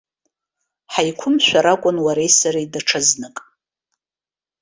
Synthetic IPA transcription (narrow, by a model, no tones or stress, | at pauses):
ħajkʷʰʊmʃʷᶣaɾakʷʼʊnwaɾejsaɾajdaʈ͡ʂʰɨznɨkʼ